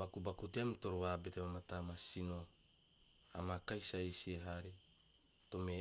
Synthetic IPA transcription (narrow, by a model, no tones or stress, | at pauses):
bakubakuteamtoɾoβabetemamatamasino̞ | a̰makajsaisieɦaɾi | tome